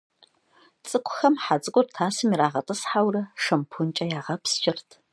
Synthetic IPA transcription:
t͡sʼɨkʷʰʼʊxɐmħat͡sʼɨkʷʼʊrtʰaːsɨmiɾaːʁɐtʼɨsħawrɐʂɐmpʰʊnt͡ʃʼɐjaːʁɐpst͡ʃʼɪrtʰ

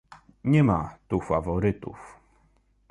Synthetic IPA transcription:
ɲɛmat̪ufavɔɾɘt̪ṵf

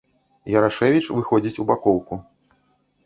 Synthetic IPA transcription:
jɐɾaʂɛvʲit͡ʂvɨxɔd͡zʲit͡sʲubakɔwku

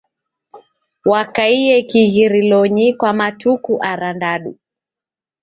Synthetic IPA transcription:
wakaiɛkiɣiɾilɔɲikwamatukuʔaɾandaɗṵ

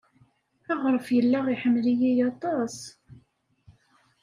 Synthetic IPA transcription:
æʁɾˤəfjəlːaʁiħəmːlijijɑt̪ˤɑs

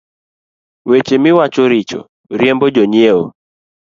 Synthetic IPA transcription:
wet͡ʃemɪwat͡ʃoɾɪt͡ʃo̰ | ɾjembod͡ʒonjeo̰

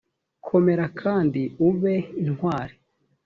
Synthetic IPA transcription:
kʰo̞me̞ɾakʰaːndiuβeinhwaːɾi

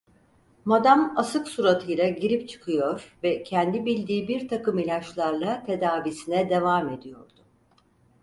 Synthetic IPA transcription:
mad̪amasɯksuɾat̪ʰɯjlˠaɟiɾip̚t͡ʃʰɯ̥kʰɯjo̞ɾ̥vɛcʰɛnd̪ibilʲd̪iːbiɾt̪ʰakɯmilʲat͡ʃlˠaɾlˠat̪ʰe̞d̪aːvisinɛd̪e̞vaːme̞d̪ijo̞̰ɾd̪ʊ

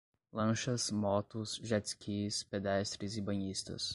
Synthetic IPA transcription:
lˠɐ̃ʃɐsmɔt̪ʊsʒɛt̪sʲkʲispʲed̪ɛst̪ɾʲɪsɪbɐɲist̪ɐ̰s

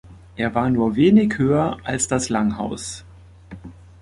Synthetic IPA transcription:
ʔeːɐvaːɐnuːɐveːnɪçhøːɐʔalsd̥aslaŋha̰ʊs

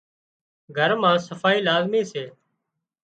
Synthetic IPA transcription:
ɡʱəɾmãːsəfaːiːlaːzmiːseː

